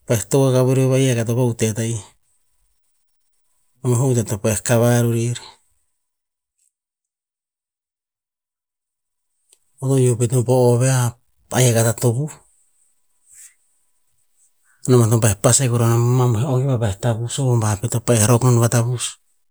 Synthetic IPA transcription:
paetoekaβeɾeβajakat̬opautetaj | omoɦoutetopaekaβaɾuɾiɾi | otojopetupoːβea | ajakatatopu | namat̬opaepasekuɾonammamuɦeoɡiβabaetabusombapetopaehɾokonuβatabus

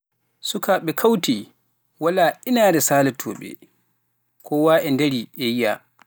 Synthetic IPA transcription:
sukaːɓɛkʰawti | walaʔinaːɾɛsaːlɛtʰɔ̰ːɓɛ̰ | kʰɔwaːʔɛndeɾiʔɛjija̰

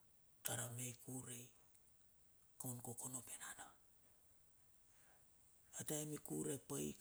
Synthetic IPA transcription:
taɾamejkuɾej | kawnkokono̞penana | ataemikuɾepaj̰k

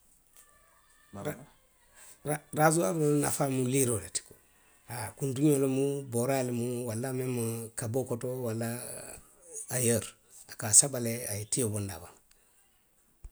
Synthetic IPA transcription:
aɾazuamuna̰famuliɾoleti̥ko̥ | hakunduɲolomuboɾalimuwalːamemukabokotowalːa | jəɾ | akasabaleaitijobonda̰ban

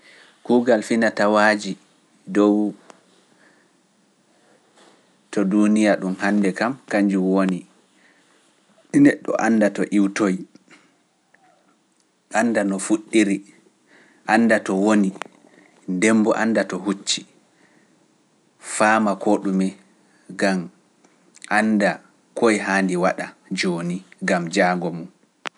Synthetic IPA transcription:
kuːɡalfinatawaːd͡ʒi | dɔw | tɔdunijaɗumhanːdɛkamkaɲd͡ʒuwoni | ɗinɛɗːɔ̰ʔanːdatɔʔiwtoj | ʔanːdanɔfuɗːiɾi | ʔanːdatɔwoni | ndɛmbɔ̰ʔandatɔɦut͡ʃːi̥ | faːmakʰɔɗumɛ | ɡam | ʔanda | kojɦaːndiwaɗad͡ʒoːniɡamd͡ʒaːŋɡɔmum

